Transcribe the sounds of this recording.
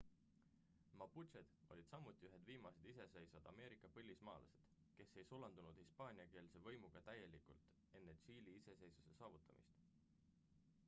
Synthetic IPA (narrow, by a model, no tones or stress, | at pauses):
mɑput͡ʃed̪̥o̞̰lʲid̪̥sɑmut̪ːˑiyɦe̞d̪viːmɑse̞d̪̥ise̞se̞jsɑd̪̥ɑme̞ːɾikːˑɑpɤlʲːismɑ̰ːlɑ̰se̞̥d̪̥ | ke̞sːe̞jsulɑnd̪unud̪̥hispɑːnʲiɑke̞ːlse̞vɤ̞jmuɡ̥ɑt̪æje̞likult̪ | e̞nːeɕiːliise̞se̞jsu̥se̞sɑːvut̪ːˑɑmʔḭst̪